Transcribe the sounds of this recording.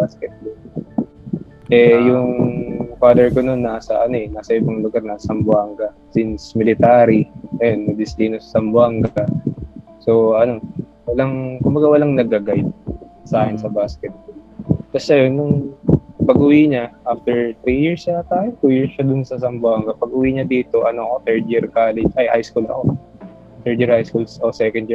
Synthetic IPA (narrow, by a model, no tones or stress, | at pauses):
baskɛt̪̚bol | ʔɛjʊŋfaːd̪ɛɹko̞no̞nːaːsɐʔɐno̞ʔɛnaːsɐʔɪbɐŋlʊɡaɾnasɐmbʊaŋɡɐ | sɪnsmɪlɪt̪aːɾiŋɐjo̞nːɐd̪ɪsliːnosɐ̥sɐmbʊaŋɡɐkɐ | so̞ɐno̞ | wɐlaŋkʊmbɐɡawɐlaŋnɐɡɐɡajt̪̚saːkɪnsɐbaːskɛt̪̚bolt̪ɐsɐjonːʊŋpɐɡʔʊwiɲaʔaft̪ɛɹt̪ɾijiɹsɐt̪aːjɪnt̪uːjiɹsʃɐd̪ʊnsɐsɐmbʊaŋɡɐpɐɡʔʊwiɲɐd̪iːt̪o̞ʔɐnokot̪ɛɹd̪̚jiɹkaːlɛd͡ʒajʔa̰jskulɐ̰ko̞ | t̪ɛɹd̪iɹhajskulsʔɐosɛkɛnd̪